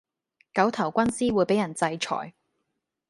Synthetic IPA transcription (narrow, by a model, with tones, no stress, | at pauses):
kɐ˨˥wt̪ʰɐ˨˩wkʷɐ˥nsiː˥wu˨˧jpe˨˥jɐ˨˩nt͡sɐ˧jt͡ʃʰɔ̰ː˨˩j